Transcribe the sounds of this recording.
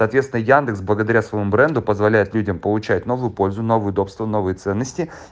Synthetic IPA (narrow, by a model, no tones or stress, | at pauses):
ɐːt̪vʲet̪sɪnəjand̪ɨksblˠəɡəd̪ɐɾʲasvəjɪmubɾɛnd̪ʊpəzvɐlʲæjɪt̪lʲudʲəmpəlˠʊt͡ɕæt̚ʲno̞vʊjʊpo̞lʲzʊno̞vʊjʊd̪o̞pst̪vəno̞vɨjət̪sɛnːəsʲtʲɪ